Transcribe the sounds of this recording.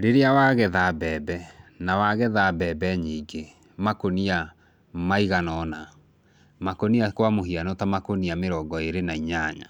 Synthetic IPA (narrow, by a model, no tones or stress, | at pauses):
ɾeɾeawaɣɛðabɛːbɛnawaɣɛðabɛːbɛɲiːŋɡe | makonia | maiɣanɔna | makoniakwamoɦianɔtamakoniameɾɔːɡɔeɾenaiɲaɲa̰